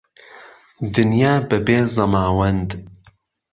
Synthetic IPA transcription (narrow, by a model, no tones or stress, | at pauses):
d̪ɨnjaːbɨbeːzɐmaːwɐnd̪